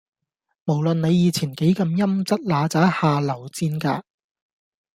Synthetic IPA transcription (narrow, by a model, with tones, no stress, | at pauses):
mo˨˩wlɵ˨nne˨˧jiː˨˧t͡sʰiː˨˩nke˨˥jkɐ˧mjɐ˥mt͡sɐ˥t̚laː˨˧t͡saː˨˥haː˨˧lɐ˨˩wt͡siː˧˥nka̰ː˧